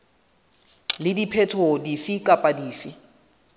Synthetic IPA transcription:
lɪdipʰɛtʰodifikʼapʼadiːfi

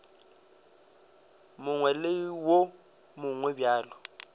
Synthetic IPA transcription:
mʊŋwɛlewo | mʊŋwɛbjaːlʊ

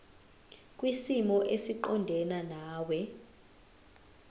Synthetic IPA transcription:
kʼwisimɔʔesiǃɔndʱɛnanaːwɛ

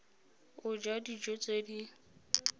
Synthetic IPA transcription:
ʊd͡ʒadid͡ʒot͡sʼedi

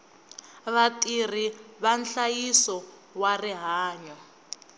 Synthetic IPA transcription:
βatʼir̤iβanɬajisɔ | wariɦaːɲɔ

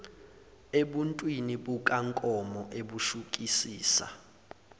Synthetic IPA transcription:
eɓuntʼwiniɓuk̬ʼaŋkʼɔmɔʔeɓuʃuk̬ʼisiːsa̰

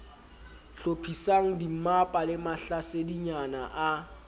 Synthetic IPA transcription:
ɬopʰisaŋ̩dim̩mapʼalɪmaɬasediɲanaʔa

